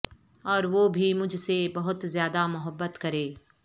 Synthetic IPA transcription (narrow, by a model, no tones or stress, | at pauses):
ɔːɾʋoːbʱimʊd͡ʒʱsebɐɦʊt̪zjaːd̪amʊɦəbːət̪kɐɾeː